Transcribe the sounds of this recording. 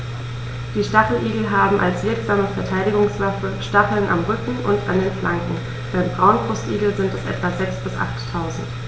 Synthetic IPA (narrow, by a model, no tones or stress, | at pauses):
d̥iːʃtafl̩ʔiːɡl̩ɦaːbm̩ʔa̰lsv̥ɪɐkz̥aːməfɛɐtʰaɪdɪɡʊŋsv̥afəʃtapl̩nʔa̰mʁʏkŋ̩ʔʊ̰ntandeːnflaŋkŋ̩ | v̥aːʁənt̚b̥ʁaʊnbʁʊstʔḭːɡl̩zɪntɛsʔɛ̰tv̥azɛksb̥ɪsʔa̰χtʰːaʊzn̩t